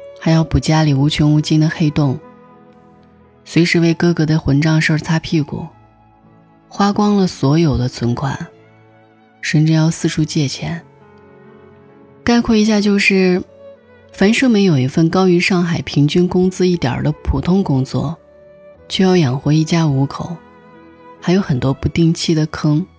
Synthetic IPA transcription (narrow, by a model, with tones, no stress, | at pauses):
xa˧˥jɑ˥˩ʊpu˨˩t͡ɕja˥li˨˩u˧˥t͡ɕʰy˧˥nu˧˥˩t͡ɕi˥˩nd̪ə˨˩xe˥˧ɪt̪ʊ˥˩ŋ | swe˧˥ɪʂɻ̩˧˥we˥˩ɪkɤ˥kɤ˧˥d̪ə˧xwə˧˥nʈ͡ʂɑ˥˧ŋʂɤ˥˧t͡sʰa˥pʰi˥˩kṵ˨˩˦ | xwa˥kwɑ˥ŋlə˨swɔ˧˥jo˨˩ʊd̪ə˦t͡sʰwə˧˥nkʰwa̰˨˩˦n | ʂə˥˧nʈ͡ʂɻ̩˥˧jɑ˥˧ʊsɹ̩˥˧ʈ͡ʂʰu˥t͡ɕjɛ˥˩t͡ɕʰjɛ˧˥n | ka˥˧ɪkʰwɛ˥˩i˧˥ɕ̬ja˥˧t͡ɕjo˥˧ʊʂɻ̩˥˩ | fa˧˥nʂɤ˥ŋme˧˥ɪjo˨˩ʊi˧˥fə˥˩nkɑ˥ʊy˧˥ʂɑ˥˩ŋxa˨˩ɪpʰi˧˥ŋt͡ɕy˥nkʊ˥ŋt͡sɹ̩˥i˥˩t̪jɑ̰˨˩d̪ə˦pʰu˨˩t̪ʰʊ˥ŋkʊ˥ŋt͡swɔ̰˥˩ | t͡ɕʰy˥˧jɑ˥˩ʊjɑ˨˩ŋxwe˧˥i˥˩t͡ɕja˥u˧˥kʰo˨˩˦ʊ | xa˧˥ɪjo˧˥ʊxə˨˩nt̪wɔ˥pu˧˥t̪i˥˧ŋt͡ɕʰi˥˩d̪ə˩kʰɤ˥ŋ